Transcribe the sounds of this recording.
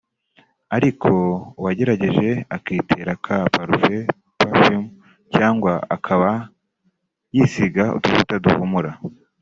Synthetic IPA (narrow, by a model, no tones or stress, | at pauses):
aɾikʰo̞waɟe̞ɾaɟe̞ʒe̞akiːtʰe̞ɾakʰapaɾuve | pafim | caːŋɡwaakʰaβa | jisiɡaṵtufutaduhumuɾa